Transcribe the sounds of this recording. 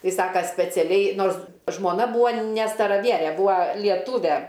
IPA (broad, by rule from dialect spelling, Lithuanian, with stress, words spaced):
ˈtɐɪ ˈsɑːkɐ sʲpʲɛt͡sʲɛˈlʲɛɪ ˈnoːrs ʒmoːˈnɐ ˈbuːoː nʲɛ stɐrɐˈʋʲiɛrʲɛ ˈbuːɐ lʲiɛˈtuːʋʲɛ